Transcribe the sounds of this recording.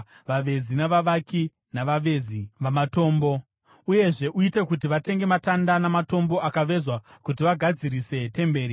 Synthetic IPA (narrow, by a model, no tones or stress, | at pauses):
ʋaʋe̞zinaʋaʋaki | naʋaʋe̞ːziʋamato̞ːmbo̞ | uje̞ʐe̞ʔuite̞kut̬iʋate̞ŋɡe̞matandanamato̞mbo̞ʔakaʋe̞zwakut̬iʋaɡʱad͡ziɾise̞te̞mbe̞ːɾi